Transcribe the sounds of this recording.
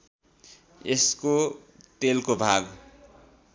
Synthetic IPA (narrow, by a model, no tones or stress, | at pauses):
eskoʈelkobʱaɡ